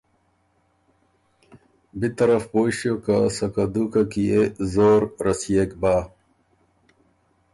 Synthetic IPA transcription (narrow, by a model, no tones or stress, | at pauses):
bit̪ɐɾɐfpoːɕjokasɐkad̪ukakiezoːɾɾɐsijekbaː